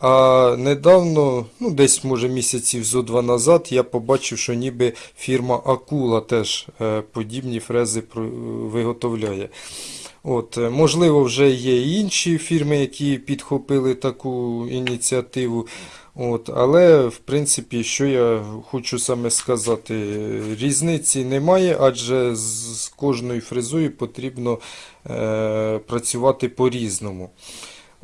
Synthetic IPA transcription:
ɐned̪ɑwnɔnud̪ɛsʲmɔʒɛmʲisʲɐt͡sʲiwzɔd̪ʋɑnɐzɑd̪jɑpɔbɑt͡ʃɪwʃɔnʲibɪfʲirmɐʔɐkulˠɐt̪ɛʒpɔdʲibnʲifɾɛzɪpɾɔʋɪɦɔt̪ɔwlʲɑjɛ | ot̪mɔʒlˠɪʋɔwʒɛjɛinʃifʲirmɪjɐkʲʰipʲid̪xɔpɪlˠɪt̪ɐkuinʲit͡sʲiɐt̪ɪʋʊ | ot̪ɐ̰lˠɛwpɾɪnt̪sɪpʲiʃt͡ʃɔjɑxɔt͡ʃʊsɑmɛskɐzɑt̪ɪɾʲiznɪt͡sʲinɛmɑjɛʔɑʒɛzkɔʒnɔjʊfɾɪzɔjʊpɔt̪ɾʲibnɔ | pɾɐt͡sʲʊʋɑt̪ɪpɔɾʲiznɔmʊ

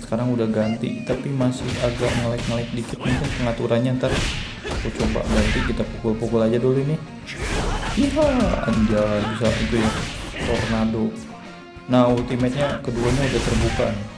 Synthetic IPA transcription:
sə̥kaɾaŋudahɡant̪ḭt̪apimasɪhaɡarməlaɪk̚məlaɪk̚dikɪt̪̚muŋkɪnpəŋat̪uɾanɲant̪ar | kot͡ʃoba̰ʔɡant̪ikit̪apukʊlpukʊlad͡ʒadoluinɪh | iaa̰ɲd͡ʒalabisaʔit̪ujat̪ornado | nault̪imɛt̪̚ɲakəduaɲaudaht̪ərbuka̰nɪ

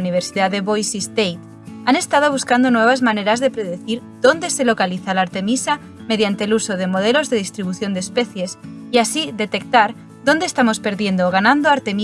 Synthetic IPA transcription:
niβ̞eɾsiðaðeβojsist̪ejt̪ | ane̞st̪að̞oβ̞uskand̪onweβ̞azmaneɾazðepɾeðeθiɾd̪ond̪e̞selokaliθalaːɾt̪emisa | meðjant̪elusoðemoð̞elozðeðist̪ɾiβ̞uθjond̪espeθjesiasiðe̞t̪ek̚t̪aɾ | ðond̪est̪amospe̞ɾðje̞nd̪oːɣ̞anãnd̪oaɾt̪emi

